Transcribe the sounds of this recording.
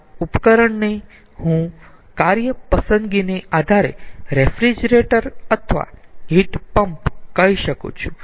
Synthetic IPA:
upkəɾəɳne | hũ | kaɾjəpəsənd̪ɡineʔad̪ʱaɾeɾefɾid͡ʒɾeʈəɾət̪ʰʋa̰ɦiʈpəmpkəiʃəkṵ̃t͡ʃʰũ̥

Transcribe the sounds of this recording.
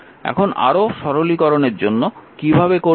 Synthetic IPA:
ɛ̰kʰona̰ɾoʃɔɾolikɔɾoneɾd͡ʑonːokibʱabeko

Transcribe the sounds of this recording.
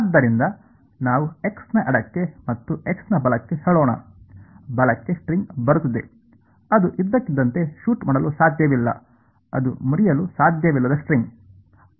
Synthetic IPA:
aːd̪ːɐɾind̪ɐ | naːʋue̞ksnɐʔɐɽɐkːe̞mɐt̪ːueksnɐbɐlɐkːe̞heːɭɔːɳɐ̰ | bɐlɐkːe̞sʈɾiŋɡbɐɾut̪ːid̪e | ɐd̪uʔid̪ːɐkːid̪ːɐnt̪e̞ʃuːʈmaːɽɐlusaːd̪ʱjɐʋilːɐ̰ | ɐ̰d̪umuɾijɐlusaːd̪ʱjɐʋilːɐd̪ɐsʈɾiŋɡ

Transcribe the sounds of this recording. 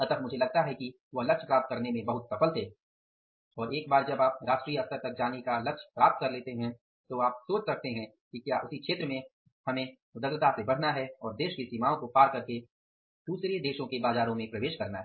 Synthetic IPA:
ɐt̪əkʰmʊd͡ʒʱelɐɡ̚t̪aɦɛki | ʋɐɦlɐkʃpɾaːp̚t̪̚kɐɾnemẽbɐɦʊt̪sɐfəlt̪ʰɛ | ɔːɾeːk̚baːɾd͡ʒɐbaːp̚ɾaːʃʈɾijəɐfst̪əɾt̪ɐk̚d͡ʒaːnekalɐkʃpɾaːp̚t̪̚kɐɾleːt̪eɦɛ̃ | t̪oaːpsoːt͡ʃsɐk̚ʰt̪eɦɛ̃ | kikjaːʔʊsikʃeːt̪ɾəmẽ | hɐmẽ | ʊd̪əɡlət̪asebɐɽ̤naɦɛɔːɾd̪eːʃkesiːmaːõkopaːɾkɐɾke | d̪̥uːsɾed̪eːʃõkebaːzaːɾõmẽpɾɐʋeːʃkɐɾnaɦɛ

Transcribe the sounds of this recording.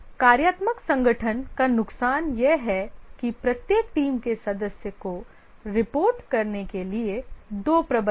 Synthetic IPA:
kaːɾjaːt̪məksɐ̃ŋɡəʈʰənkanʊksaːnjeɦɛkipɾɐt̪jeːk̚ʈiːmkesɐd̪əsjəko | ɾɪpoːɾʈkɐɾnekelied̪oːpɾɐbə

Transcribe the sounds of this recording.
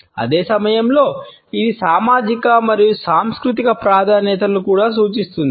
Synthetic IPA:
ɐ̰d̪eːsɐmɐjɐmlo̞ː | id̪isaːmaːd͡ʒikɐmɐɾijusaːmskɾut̪ikɐpɾaːd̪ʱaːnɛt̪ɐlukuːɽaːsuːt͡ʃist̪und̪ii

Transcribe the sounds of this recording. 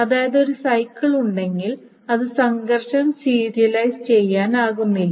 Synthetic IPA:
ɐðaːjɐðeo̞ɾusɐjkːɐɭuɳɖe̞ŋɡil | ɐðɨsɐŋɡɐrʂɐmsiːɾijɐlɐjst͡ɕe̞jːaːnaːɣunːilː

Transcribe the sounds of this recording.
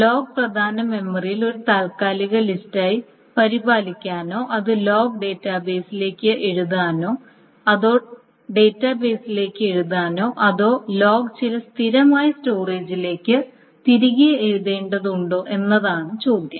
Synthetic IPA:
lo̞ːɡ̚prɐd̪ʱaːnɐme̞mːɐrijilo̞ɾut̪aːlkaːliɣɐlistaːji | pɐɾibaːlikʲːaːno̞ːʔɐðɨlo̞ːɡɖe̞ːtːaːbe̞ːsile̞ːkːɨʔe̞ɻuðaːnoː | ɐðo̞ː | ɖe̞ːtːabe̞ːsileːkːɨe̞ɻuðaːno̞ːʔɐðo̞ːlo̞ːɡt͡ɕilɐst̪ʰiɾɐmaːjɐsto̞ːre̞ːd͡ʑile̞ːkːɨ | t̪iɾiɣijɐeɻðeːɳɖɐðuɳɖoːʔe̞nːɐðaːɳɨt͡ɕoːd̪jɐ

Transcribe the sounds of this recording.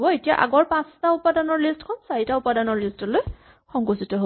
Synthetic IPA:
bɔetija̰ʔa̰ɡɔɹpãstaʊpadanɔɹlistkʰɔnsaɹitaupadanɔɹlistɔloj | xɔŋkositɔɦo

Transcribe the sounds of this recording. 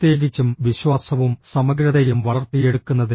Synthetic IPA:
t̪je̞ːɡit͡ɕːumʋiɕwaːsɐʋumsɐmɐɡɾɐðɐjumʋɐɭɐrt̪ːije̞ɽukːunːɐði

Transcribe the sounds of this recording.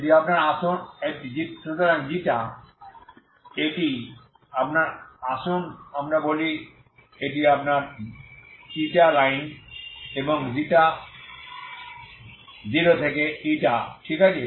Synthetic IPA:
ʈiapnaɾaʃonek̚ʈid͡ʑipot̪aɾaŋd͡ʑiʈa | eʈi | apnaɾaʃonamɾaboli | eʈiapnaɾ | iʈalajn | eboŋziʈa | d͡ʑiɾot̪ʰekeiʈaʈʰikat͡ɕʰe

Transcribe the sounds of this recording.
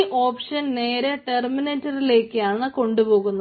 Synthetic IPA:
ʔo̞ːpʂɐnne̞ːɾeʈermineːtːɐrile̞ːkːɨjaːɳɨko̞ɳɖupo̞ːɣunːɐ

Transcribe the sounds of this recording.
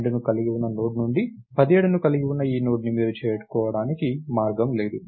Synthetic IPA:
ɖunukɐliɡiwunːɐnoːʈnuɳɖi | pɐd̪ieːɽunukɐliɡiwunːɐiːnoːʈnimiːɾut͡ʃɛːjɐʈu̥kɔːʋɐɽaːnikimaːɾɡɐmleːd̪u

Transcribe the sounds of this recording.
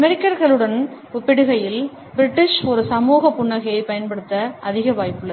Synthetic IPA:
ɐmɛɾɪkːɐɾɣɐɭɯɽɐn | ʊpːɪɽɯɣɐjɪl | bɪɾɪʈːɪʂɔɾɯsɐmuːɣɐpːʊɳːɐɣɐjɐɪpɐjɐnpɐɽɯt̪ːɐʔɐðɪɣɐʋaːjpːɯɭːɐ

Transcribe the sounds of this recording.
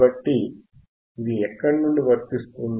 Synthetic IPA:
bɐʈːi | iðiɛkːɐɳːuɳɖiʋɐɾt̪ist̪un

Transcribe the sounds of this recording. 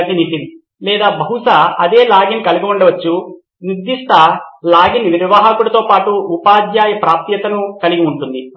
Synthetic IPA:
d̪init̪in | lɛːd̪aːbɐɦuʂɐɐd̪e̞ːlaːɡinkɐliɡiuɳɖɐʋɐt͡ʃːu | nid̪ːiʂt̪ɐlaːɡinʋiɾiʋaɦɐkuɽɐt̪o̞ːpaːʈuːpaːd̪jaːjɐpɾaːp̚t̪jɐt̪ɐnukɐliɡiuɳʈund̪i

